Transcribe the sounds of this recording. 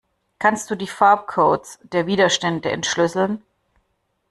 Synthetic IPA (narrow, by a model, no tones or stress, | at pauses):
kʰanst̚d̥uːdiːfaɐp̚kʰoːtsd̥eːɐviːdɐʃtɛndəɛ̰ntʃlʏsl̩n